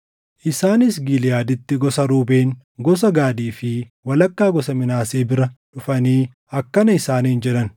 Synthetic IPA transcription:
ʔɪsaːnɪs̬ɡilɪjaːd̪ɪt̪ːɪɡɔsɐɾuːbe̞ːŋ | ɡɔs̬ɐɡaːd̪iːfɪwɐlɐkːaːɡɔsɐmɪnaːseːbɪɾɐᶑʊfɐniː | ɐkːɐnɐɪsaːniːnd͡ʒɛᶑɐn

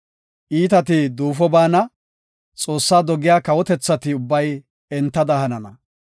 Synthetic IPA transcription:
ʔiːt̪ɐt̪ɪd̪uːfɔbaːnɐ | t͡sʼo̞ːsːaːd̪ɔɡɪjaːkɐwɔt̪ɛt͡sːɐt̪ɪʊbːɐj | ɛnt̪ːɐd̪ɐhɐnɐnɐ̰

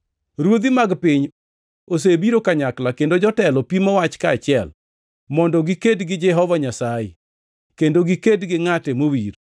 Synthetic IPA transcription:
ɾwod̪imaɡpɪɲ | os̬ebiɾokaɲaklakendod͡ʒɔtɛlɔpimɔwat͡ʃkaːt͡ʃɪɛl | mɔndɔɡikedɡɪd͡ʒɛɦɔvaɲasajɛ̰ | kendoɡikedɡɪŋatɛmowiɾ

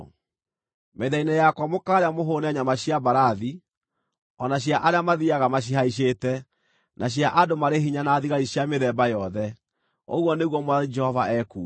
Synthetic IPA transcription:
meðainɛjakwamokaːɾeamoɦoːnaɲamaɕjabaɾaði | ɔnaɕjaʔaɾeamaðiaɣamaɕ̬iɦaiʃ̬etɛ | nʔaɕjaʔadomaɾeɦiɲanaːðiɣaɾiɕjameðɛbajɔðɛ | o̰ɣwɔneɣwɔmwaðid͡ʒɛhɔvaʔɛkuː

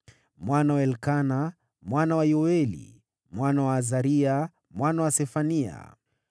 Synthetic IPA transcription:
mwanawaɛlkana | mwanawajɔɛlḭ | mwanawaːzaɾia | mwanawasɛfania̰

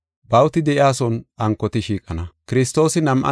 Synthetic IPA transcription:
bɐwt̪ɪd̪ɛʔɪaːsɔnʔɐŋkːɔt̪ɪʃiːkʼɐnɐkɪɾɪs̬t̪ːo̞ːsɪnɐmʔɐ̰

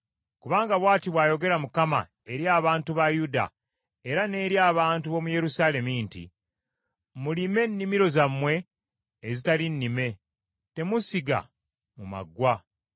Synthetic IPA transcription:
kuβaːŋɡaβwaːtiβwaːjo̞ɡe̞ɾamukama̰ | e̞ɾjaːβaːntuβajuda̰ | e̞ɾane̞ːɾjaːβaːntuβo̞muje̞ɾusaːle̞mintḭ | mulime̞nːimiɾo̞zamːwe̞ː | zitalinːime̞ | te̞musiɡa̰ | muma̰ɡwa

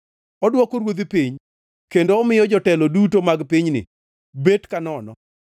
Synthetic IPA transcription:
ɔdwɔkoɾwod̪ipiɲ | kendoːmɪjɔd͡ʒɔtɛlɔdutomaɡpiɲnɪ̰ | betkanɔnɔ̰

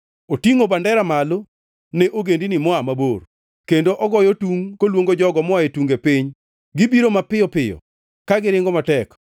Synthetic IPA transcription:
otiŋobandɛɾamalo | neʔoɡendinɪmɔamabor | kendoʔɔɡɔjɔtuŋkolwoŋɡod͡ʒɔɡɔmɔaetuŋɡepiɲ | ɡɪbiɾomapɪjɔpɪjɔ̰ | kaɡɪɾɪŋɡɔmatɛk

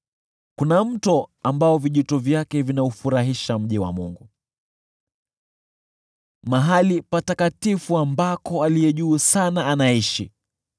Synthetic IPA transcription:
kunam̩tɔambaɔviʄitɔvjakɛvinaufuɾaɦiʃam̩ʄiwa̰muŋɡu | maɦalipatakatifuambakɔalijɛʄuːsanaanaiʃḭ

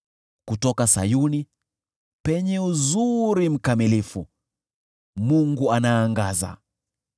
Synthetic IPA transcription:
kutɔkasa̰juni | pɛɲɛuzuɾim̩kamilifṵ | muŋɡuanaːŋɡaza̰

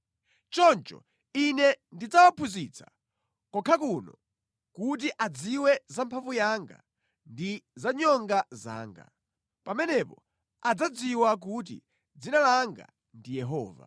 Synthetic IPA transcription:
t͡ʃɔnt͡ʃɔ̰ | inɛndid͡zawapʰuzit͡sʰḁ̰ | kɔkʰakunɔ | kut̬iʔad͡ziwɛzampʰavujaŋɡa̰ | ndizaɲɔŋɡaza̰ːŋɡa̰ | pamɛnɛpɔ | ad͡zad͡ziwak̬ut̬ḭ | d͡zinalaŋɡa̰ | ndijɛɦɔːva̰

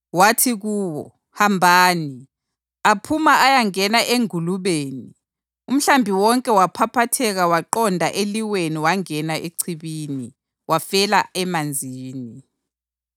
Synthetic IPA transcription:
watʰiɣuːwɔ̰ | hambʱaːni | apʰumaajaŋɛnaʔeŋuluβeːni | um̩ɬambʱiwɔŋkʼɛwapʰapʰatʰɛɣawaǃɔndʱaʔeliweniwaŋɛnaʔeǀʰiβiːni | wafɛlaɛmand͡zʱiːni

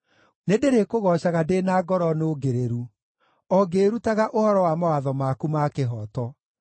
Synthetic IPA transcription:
nedeɾekoɣɔɕaɣadenaːɡɔɾɔnoɡeɾeɾu | ɔɡeɾutaɣaʔohɔɾɔwamawaðɔmaːkumaːkeɦɔːtɔ

